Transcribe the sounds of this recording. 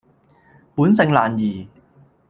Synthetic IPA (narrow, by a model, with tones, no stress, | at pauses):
puː˨˥nsɪ˨ŋlaː˨˩njiː˨˩